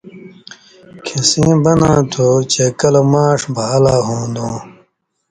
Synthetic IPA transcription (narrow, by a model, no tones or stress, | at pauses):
kʰisĩːbɐnãːt̪ʰot͡ɕekɐlmaːʂbaːlaːɦõːd̪õː